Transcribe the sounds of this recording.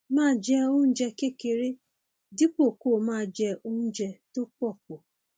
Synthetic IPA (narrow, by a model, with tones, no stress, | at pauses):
mãː˦˨d͡ʒɛ˦o˦n̩˦d͡ʒɛ˧ke˦˨ke˨ɾe˦ | di˦k͡po˦˨ko˦˨mãː˦˨d͡ʒɛ˦ʔo˦n̩˦d͡ʒɛ˧to˦k͡pɔ˦˨k͡p̚o˨